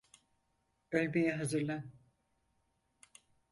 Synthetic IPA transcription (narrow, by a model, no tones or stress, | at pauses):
ølʲbejɛɦazɯɾlʲæn